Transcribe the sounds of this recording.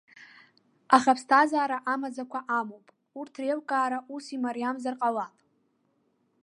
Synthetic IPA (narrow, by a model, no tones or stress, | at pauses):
aχapʰstʰazaːɾaʔamazakʷʰaʔamowpʼ | urtʰrelkʼaːɾaʔusimaɾijamzarqʼawapʼ